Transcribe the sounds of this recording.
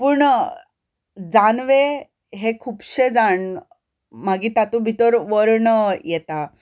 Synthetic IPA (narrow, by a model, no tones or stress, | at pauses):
puːɳ | d͡zanʋe | ɦekʰuːbɕed͡zaɳ | maɡiːt̪at̪ũbʱit̪əɾʋəɾɳəjɛt̪a